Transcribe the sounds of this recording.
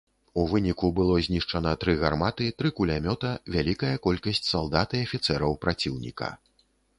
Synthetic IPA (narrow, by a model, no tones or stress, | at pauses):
uvɨnʲikubɨlˠɔzʲnʲiʂt͡ʂɐnɐt̪ɾɨɣarmat̪ɨt̪ɾɨkulʲamʲɔt̪ɐvʲalʲikɐjɐkɔlʲkɐsʲt͡sʲsalˠd̪at̪ɨɐfʲit̪sɛɾɐwpɾat͡sʲiwnʲḭkɐ̰